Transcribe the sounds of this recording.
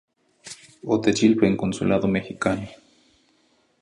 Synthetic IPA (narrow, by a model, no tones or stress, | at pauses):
ot̪et͡ʃilpeeŋkonsulaðomehikano